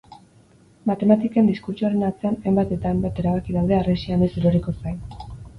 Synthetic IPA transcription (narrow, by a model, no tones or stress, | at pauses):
mat̪e̞mat̪ike̞nd̪iskuɾt͡ʃuaɾe̞nat͡se̞anejmbat̪e̞t̪ambet̪e̞ɾaβ̞akiðawð̞e̞aresianiseɾoɾiko̞sajn